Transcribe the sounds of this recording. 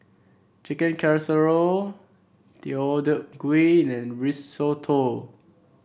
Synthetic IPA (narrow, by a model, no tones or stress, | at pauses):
t͡ʃikə̃nkʰɛɹsəɹo | d̥iodəɡwĩnɛ̃nɹissotʰo